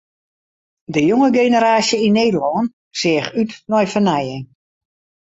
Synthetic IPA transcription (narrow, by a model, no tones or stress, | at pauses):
dəjoŋəɡejnəɾaːsjəinːeːdəlɔən | sɪəxytnɔjfənajən